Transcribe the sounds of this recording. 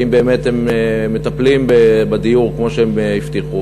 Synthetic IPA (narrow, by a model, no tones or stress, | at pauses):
imbeːmet̪hemeːet̪aplimbebad̪ijuʁkmo̞ʃeemeift̪iχu